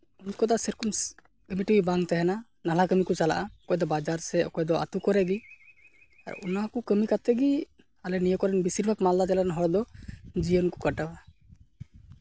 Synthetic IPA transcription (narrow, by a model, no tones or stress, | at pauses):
unkɔd̪asɛɾkum | kəmiʈibibaŋt̪ɛɦɛna | nalakəmikut͡ʃala̰ʔaɔkɔjd̪ɔbad͡ʒaɾsɛɔ̰kɔjd̪ɔa̰t̪ukɔɾɛɡi | a̰ɾṵnakukəmikat̪ɛɡi | alɛnijəkɔɾɛnbisiɾbʱəkmald̪ad͡ʒɛlaɾɛnɦɔɾd̪ɔd͡ʒiənku̥kaʈaba